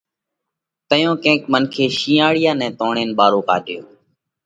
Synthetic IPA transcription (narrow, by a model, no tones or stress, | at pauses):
t̪əjõːkẽːkmənkʰeːʃĩːaːɽɪjãːnɛ̃ːt̪õːɳeːnɓaːɾoːka̰ːɗɪjõː